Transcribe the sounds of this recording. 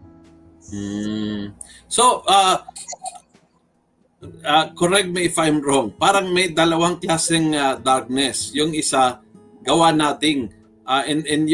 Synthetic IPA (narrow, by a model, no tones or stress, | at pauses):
m̩ | soʔa | akoɾɛk̚mɪɪfajmɹoŋpaːɾɐŋmɐjd̪ɐlɐwaŋklaːsɛŋad̪aɾk̚nɛsjʊŋɪsa | ɡɐwanaːt̪ɪŋ | ʔaʔɛnɛnj